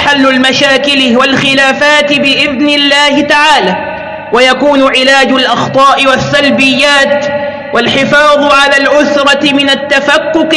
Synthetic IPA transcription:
ħalːʊlmaʃaːkɪlwalxɪlaːfaːt̪ɪbɪʔɪðnɪlːaːhɪt̪aʕaːlaː | wajakuːnʊʕɪlaːd͡ʒʊlʔɑxt̪ˤɑːʔɪwasːalbɪjːaːt̪ | walħɪfɑːðˤʕalaːlʕʊθɾˤɑɪmɪnat̪ːafakːʊq

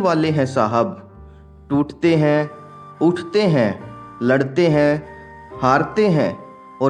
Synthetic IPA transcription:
ʋaːleːɦɛ̃ːsaːɦəb | ʈuːʈʰt̪eːɦɛ̃ː | ʊʈʰt̪eːɦɛ̃ːləɽt̪eːɦɛ̃ː | haːɾt̪eːɦɛ̃ː | ɔː

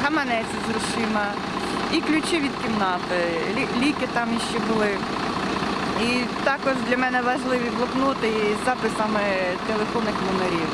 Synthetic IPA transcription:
ɦɐmɐnɛt͡sʲizrʊʃɪmɐ | iklʲut͡ʃɪʋʲid̪kʲimnɑt̪ɪ | ilʲikɪt̪ɑmjiʃt͡ʃɛbʊlˠɪ | it̪ɑkɔʒd̪lʲɐmɛnɛʋɐʒlˠɪʋʲiblˠɔpnut̪ɪzɑpɪsɐmɪt̪elˠefɔnɪxnɔmeɾʲiw

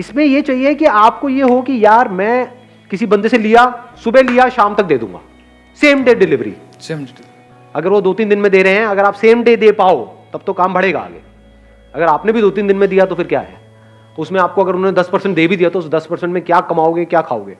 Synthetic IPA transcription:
ɪsmẽjet͡ʃaːɦijekiaːp̚kojeɦokijaːɾmɛ̃ː | kɪsibɐ̃nd̪eselijasʊbelijaʃaːmt̪ɐk̚d̪eːd̪ṵ̃ːŋɡa̰ː | seːmɖeːɖɪlɪʋɾḭ | ɐɡəɾʋod̪oːt̪iːnd̪ɪnmẽd̪eːɾɐɦeɦɛ̃ɐɡəɾaːpseːmɖeːd̪eːpaːot̪ɐb̚t̪okaːmbɐɽeːɡa̰ːɡḛː | ɐɡəɾaːpnebʱid̪oːt̪iːnd̪ɪ̃nmẽd̪ijat̪ofʰɪɾkja̰ːɦɛ̰ː | t̪oʊsmẽaːp̚koɐɡəɾʊnɦõːned̪ɐspɐɾsə̃ɳʈ̚d̪eːbʱid̪ijat̪oʊsd̪ɐspɐɾsə̃ɳʈmẽkjaːkɐmaːoɡekjaːkʰa̰ːo̰ːɡḛː

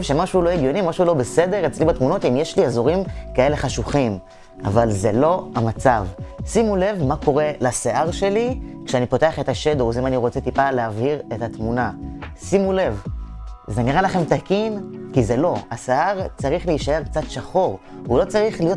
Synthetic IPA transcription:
vʃe̞maʃuulo̞eɡjo̞nimaʃuulo̞bese̞de̞ʁet͡slibat̪muno̞t̪imjeʃliazo̞ʁimkae̞le̞χaʃuχim | a̰valzelo̞amat͡savsimule̞vmako̞ʁe̞laseʔaʁʃe̞likʃeanipo̞te̞aχe̞t̪aʃed̪ozimaniʁo̞t͡se̞t̪ipaleaviʁe̞tat̪munasimule̞v | ze̞niʁalaχe̞mtakinkize̞lo̞aseʔaʁt͡saʁiχleiʃae̞ʁk̚t͡sat̪ʃaχo̞ʁ | ulo̞t͡saʁiχlijo

